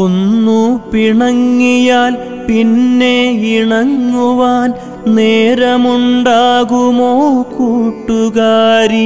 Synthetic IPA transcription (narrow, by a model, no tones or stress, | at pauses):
onːupiɳɐŋːijaːl | pinːe̞iɳɐŋːuʋaːn | neːɾɐmuɳɖaːɣumoːkuːʈːuɣaːɾi